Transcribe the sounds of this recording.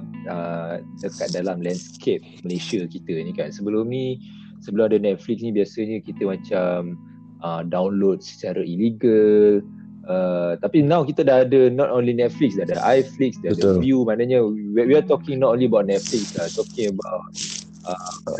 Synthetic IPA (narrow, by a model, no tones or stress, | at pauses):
ədəkat̪̚dalamlɛ̃nskʰep̚məlesəkit̪ənĩkansəbəlomnĩ | səbəlʊmadənɛt̪̚fliksnĩbiasəɲə̃kit̪əmãt͡ʃam | ədawnlod̚sə̥t͡ʃaɾaʔiliɡəl | ət̪apinãwkit̪ədaadənɔtonlinɛt̚fliksdahdaʔajfliksdaaədvjumãnəɲəwwiat̪ɔkĩŋnɔt̚onliəbawt̚nɛt̪̚fliksat̪ɔkĩŋəbawt̚ | ə